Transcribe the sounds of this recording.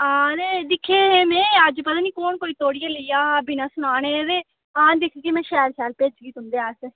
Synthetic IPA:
aːnẽːd̪ɪkʰːeːɦeːmɛ̃ːəd͡ʒpət̪ãːniːkoːnkoːiːt̪oːɽijãːləiːjaːbinãːsʊnaːneːɾeː | ãːd̪ɪkʰiːkimɛ̃ːʃɛːɾʃɛːlpeːt͡ʃɡiːt̪ʊnd̪eːaːs

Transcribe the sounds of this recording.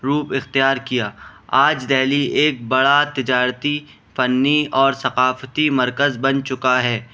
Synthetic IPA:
ɾuːpɪxt̪ijaːɾkijaːaːd͡ʒd̪ɛːlieːk̚bɐɽat̪ɪd͡ʒaːɾt̪i | fɐnːiɔːɾsɐqaːft̪imɐɾkəzbɐnt͡ʃʊkaɦɛː

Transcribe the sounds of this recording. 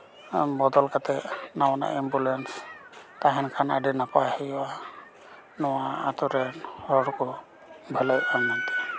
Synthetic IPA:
bɔd̪ɔlkat̪ɛnawana̰ʔimbulɛnst̪aɦɛnkʰanaɖinapahɛjwa | nɔwaat̪ɔɾɛnhɔɽkɔ | bʱələjanːant̪ɛ̥

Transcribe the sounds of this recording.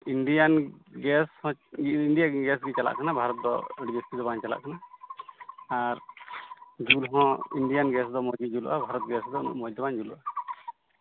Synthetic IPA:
inɖijanɡɛshɔ̃iɳɖijaɡɛsɡɛt͡ʃala̰ʔkanabʱaɾɔt̪̚d̪ɔ̰əɖibest̪id̪ɔbaɲt͡ʃala̰ʔkana | aɾ | d͡ʒulɦɔ̃iɳɖijanɡɛsd̪ɔmɔd͡ʒid͡ʒulɔ̰ʔabʱaɾɔt̪̚ɡɛsd̪ɔnṵʔmɔjd̪ɔbaɲd͡ʒulɔʔa

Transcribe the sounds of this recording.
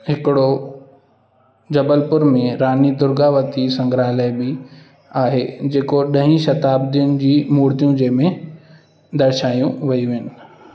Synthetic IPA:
ɦɪkɪɽo | d͡ʑɐbəlpʊɾmẽɾaːnid̪ʊɾɡaʋɐt̪isɐ̃ŋɡɾaːləbɪ | aːɦed͡ʑeːkoɗɐ̃ɦĩʃɐt̪aːbd̪iʊnd͡ʑiːmuːɽt̪ijũd͡ʑɐ̃ɦɪmẽ | d̪ɐɾʃaːjũʋɐiʋɪnɪ̆

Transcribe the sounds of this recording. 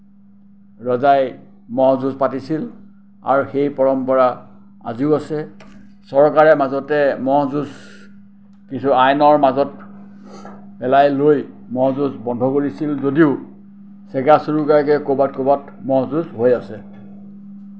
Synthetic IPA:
ɹɔzaj | mɔɦɔzuzpatisil | a̰ɹuxejpɔɹɔmpɔɹa | a̰ziʊasɛ | sɔɹkaɹɛmazɔtɛmɔɦzuz | kisuajnɔɹmazɔt | bɛlajloj | mɔɦɔzuzbɔndʱɔkoɹisilzodiʊ | sɛɡasuɹukakɛkobatkobat | mɔɦzuzɦojasɛ

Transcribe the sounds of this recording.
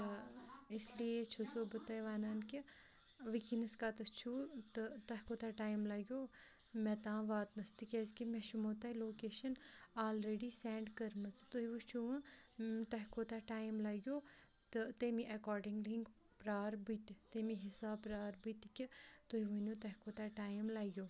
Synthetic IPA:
isliet͡ʃʰusoːbɨt̪ɐjʋaːnaːnki | ʋikinɐskaːt̪ɐt͡ʃʰuːt̪ɨt̪ɐɦkoːt̪aʈaːjmlaːɡʲjoː | mɛt̪ãːʋaːt̪nɐst̪ikʲeːskimeʃumoːt̪ɐloːkeːʃɐnaːlɾeːɖiːseːɳɖkɐɾmɐt͡st̪oɦiʋɨt͡ʃʰuʋɐ̃t̪ɐɦkoːt̪aʈaːjmlaːɡʲjoː | t̪ɨt̪emiʔɐkɔːɾɖiŋɡliŋɡ | pɾaːɾbit̪t̪emiɦisaːpɾaːɾbɨt̪ʲkʲit̪oɦiʋɐnjoːt̪ɐɦkoːt̪aʈaːjmlaːɡʲjoː

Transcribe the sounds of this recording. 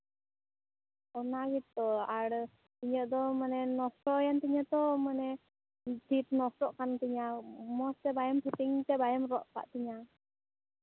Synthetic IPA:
ɔnaɡit̪ːɔaɽə | iɲəʔd̪ɔmənɛnɔsɔjant̪iɲat̪ɔmənɛ | t̪it̪̚nɔsɾɔʔkant̪iɲamɔst̪ɛbajɛmpʰət̪iŋt̪ɛbajəmɾɔʔpa̰ʔt̪iɲa

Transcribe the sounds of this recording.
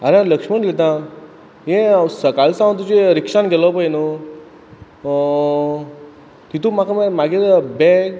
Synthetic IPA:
aɾẽləkʂməɳlet̪̬ã | jẽsəkalsãʋt̪̬ut͡ɕeɾikʂanɡelɔpəjno | t̪it̪umakammaɡeɾbɛk

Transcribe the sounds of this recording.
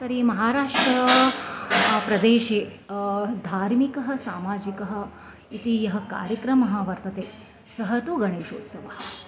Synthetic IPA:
t̪ɐɾiːmɐɦaːɾaːʂʈɾɐ | pɾɐd̪eːʃeː | d̪ʱaːɾmikɐɦɐ̆saːmaːd͡ʒikɐɦɐ̆ | it̪ijɐɦɐ̆ka̰ːɾjɐkɾɐmɐɦɐ̆ʋɐɾt̪ɐt̪eː | sɐɦɐt̪uɡɐɽ̃eːʃo̰ːt̪sɐʋɐɦɐ̥̆

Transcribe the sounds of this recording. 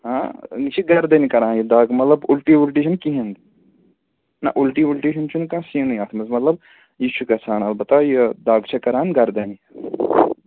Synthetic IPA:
ɦat͡ʃʰiɡɐɾd̪ɐnikɐɾaːnjid̪aːɡmɐt̪lɐbulʈiulʈ̬iːʃɐnkiɦẽnd̪i | nɐ̰ʔulʈiːulʈiːʃɐnt͡ʃʰunkãsinɐjaːt̪ʰmɐzmɐt̪lɐb̚ | jit͡ʃʰukɐsʰaːnɐlbɐt̪aːjed̪aːɡt͡ʃʰɐkɐɾaːnɡɐɾd̪ɐni

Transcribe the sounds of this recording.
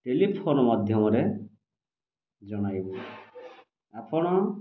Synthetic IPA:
ʈelipʰonɔmɔd̪ʱjɔmɔɾe | d͡ʒɔɽ̃ajbɔ | apʰɔɽ̃ɔ

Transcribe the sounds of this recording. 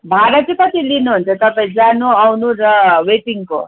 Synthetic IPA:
bʱaɾʌt͡sikʌt̪ilinuɦunt͡sʰʌt̪ʌpãĩd͡zanuawnuɾʌweʈiŋko̰

